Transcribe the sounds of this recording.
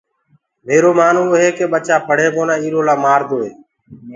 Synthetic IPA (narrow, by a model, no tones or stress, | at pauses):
meːɾoːmaːnuːɦeːkeːɓət͡ʃaːpʰəɽ̤eːkoːnaːiːɾoːlaːmaːɾd̪oːɦeː